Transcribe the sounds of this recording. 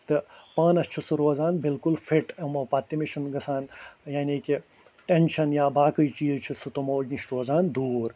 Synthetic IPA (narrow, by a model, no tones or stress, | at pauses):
t̪ɨpãːnɐst͡ʃʰusuɾoːzaːnbilkulfʰiʈemɐpaːt̪ːimiʃʰunɡɐsaːnjaːniːki | ʈenʃɐnjaːbaːkəjt͡ʃiːzt͡ʃʰisut̪omoːd͡ʒniʃʈɾoːzaːnd̪uːɾ